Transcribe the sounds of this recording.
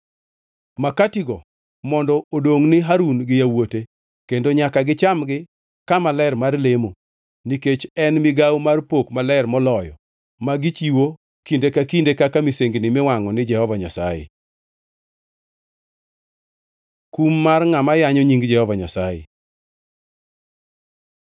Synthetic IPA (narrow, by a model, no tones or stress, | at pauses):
makatiɡɔ | mɔndɔodoŋnɪɦaɾunɡɪjawote | kendoɲakaɡɪt͡ʃamɡɪ | kamalɛrmarlemo | niket͡ʃɛnmɪɡawmarpokmalɛrmɔlɔjɔ̰ | maɡit͡ʃiwo | kindekakindekakamiseŋɡnɪmɪwaŋɔnɪd͡ʒɛhɔvaɲasa̰jḛ | kumːarŋamajaɲɔɲiŋɡd͡ʒɛhɔvaɲasajḛ